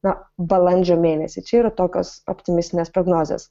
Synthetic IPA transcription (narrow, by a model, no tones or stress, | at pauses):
nɐbɐlˠɐnʲd͡ʒʲoːmʲeːnʲɛsʲɪt͡ʃʲɛiːɾɐt̪oːkʲo̰ːsɔ̰pʲt̪ʲɪmʲɪsʲt̪ʲɪnʲespɾoɡnoːzʲḛːs